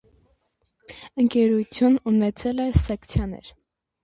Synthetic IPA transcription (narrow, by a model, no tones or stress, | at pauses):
əŋkɛɾut͡sʰjununɛt͡sʰɛlɛsɛkt͡sʰjɑnɛ̰ɾ